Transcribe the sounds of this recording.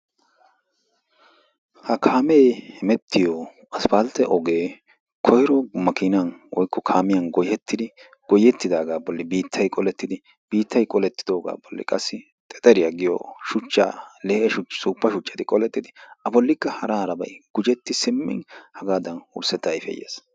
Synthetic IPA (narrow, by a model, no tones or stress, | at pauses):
hɐkʰaːmeːhɛmɛt̪ʰːɪjɔ | ɐsfalt̪ɛʔɔɡe̞ː | kʰɔhɪɾɔmɐkɪnanwɔjkːɔkʰaːmɪjɐnɡɔjɛt̪ːɪd̪ɪ | ɡ̥ɔjɛt̪ːɪd̪aːɡaːbɔlːɪbiːt̪ʰːɐjkʼɔlɛt̪ːɪd̪ɪ | b̥iːt̪ːɐjkʼɔlɛt̪ːɪd̪o̞ːɡa̰ːbɔlːɪ̰kʼɐsːɪ | t̪ʼɛt̪ʼɛɾɪjaɡɪjɔ̰ʃʊt͡ʃːa̰ːlɛːʔɛʃʊt͡ʃsuːpːɐʃʊt͡ʃʼːɐt̪ɪkʼɔlɛt̪ːɪd̪ɪɐbɔlːɪkːɐhɐɾahɐɾɐbɐ̰jɡ̥ʊd͡ʒɛt̪ːɪsɪmːɪ̰nhɐɡaːd̪ɐnʊ̰ɾsɛt̪ːɐjfɛ̰jːḛːs